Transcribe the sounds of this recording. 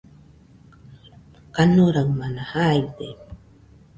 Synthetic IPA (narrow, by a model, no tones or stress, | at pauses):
kanuɾawmanahajt̪e